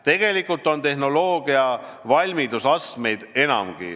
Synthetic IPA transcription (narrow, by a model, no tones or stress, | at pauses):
t̪e̞ɡ̥e̞likːˑult̪ːˑo̞nt̪e̞ɦno̞lo̞ːɡ̥iɑvɑlʲmid̪usɑst̪me̞jd̪̥e̞nɑ̰mɡ̥ḭ